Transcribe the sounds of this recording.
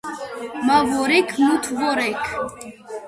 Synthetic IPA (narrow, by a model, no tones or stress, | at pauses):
mavɔɾɛkʰmut̪ʰvɔɾɛkʰ